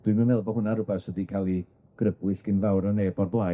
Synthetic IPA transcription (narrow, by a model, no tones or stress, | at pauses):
d̥wɨjməmɛlˠbɔhʊnaɾʊbɛsədikʰalˠi | ɡ̥rəbwɨɬɡ̥ɪnvawɾɔneːbɔrblˠa